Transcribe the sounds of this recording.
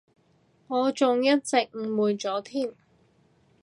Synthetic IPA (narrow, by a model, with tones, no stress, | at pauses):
ŋɔː˨˧t͡sʊ˨ŋjɐ˥t̚t͡sɪ˨k̚ŋ̩˨˧muː˨˧nt͡sɔː˨˥t̪ʰiː˥˩m